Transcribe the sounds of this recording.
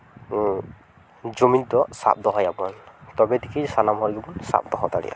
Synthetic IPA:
zomintɔsa̰p̚dɔɦɔjabantɔbɛdikʰisanamɦɔɹiɡɔbunsa̰p̚d̪ɔɦɔtaɹḭa̰

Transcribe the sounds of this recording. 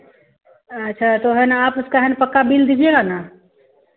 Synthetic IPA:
ətːʃʰat̪oɦɛnaaːpuskaɦɛnpəkːabild̪id͡ʒelana

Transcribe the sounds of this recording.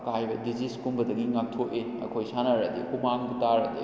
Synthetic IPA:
kajbɐdiziskumbɐdɐɡiŋak̚tʰoʔi | ɐ̰kʰojsanaɾadḭkumaŋbɐtaɾɐdḭ

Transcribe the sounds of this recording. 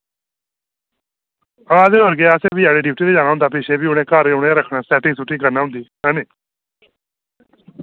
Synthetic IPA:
əaːd̪eːəɾɡeːaːsẽːbiaːɽeːɖɪp̚ʈiːd̪eːd͡ʒaːnaːɦʊ̃nd̪aːp̬eːʃeːbiːʊnẽːkaːɾeʊnẽːɾəkʰɽaːsɛːʈɪ̃ŋɡsʊʈːĩːkəɾnaːɦʊ̃nd̪iːkaːneː

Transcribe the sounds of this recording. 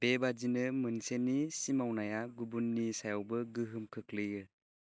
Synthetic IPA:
bebad͡ʒinɯmɯnsenːisimawnajaɡubunːisajawbɯɡɯɦɯmkʰɯklɯjɯ

